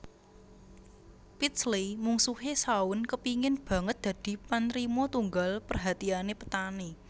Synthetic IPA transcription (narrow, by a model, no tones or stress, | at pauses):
pit̪slimuŋsuhesaʊnkəpiŋɪnb̥ä̤ŋət̪̚d̪̥ä̤d̪̥i̤panɾimɔt̪uŋɡalpərɦat̪ianepə̥t̪ane